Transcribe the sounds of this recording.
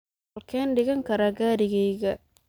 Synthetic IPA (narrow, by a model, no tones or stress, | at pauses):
lkʰɛːnɖɪɣɐŋkʰɐɾaɡaːɾɪɣɛjɣɐ